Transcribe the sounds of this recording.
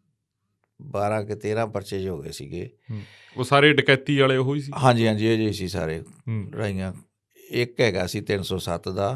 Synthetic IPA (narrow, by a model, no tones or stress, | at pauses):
baːɾãːkɪt̪eːɾãːpəɾt͡ʃeːʃɦoːɡḛːsḭːɡḛː | oːsaːɾeːɖɪkɛːt̪iːaːleːɦoːiːsiːɦãːɲd͡ʒiːɦãːd͡ʒiːeːd͡ʒəisiːsa̰ːɾeːɾa̰ːijãː | ɪkɦɛːɡaːsiːt̪ɪnsɔːsət̪d̪aː